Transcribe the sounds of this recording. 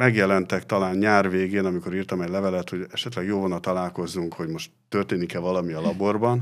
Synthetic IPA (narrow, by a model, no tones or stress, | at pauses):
mɛɡjɛlɛnt̪ɛkt̪ɒlaːnɲaːrveːɡeːnɒmiko̞ɾiːrt̪ɒmɛɟlɛvɛlɛt̪ho̞ɟɛʃɛt̪lɛɡjoːlvonɒt̪ɒlaːlko̞zːuŋkho̞ɟmo̞ʃt̪ːørt̪eːnikɛlvɒlɒmiɒlɒbo̞rbɒn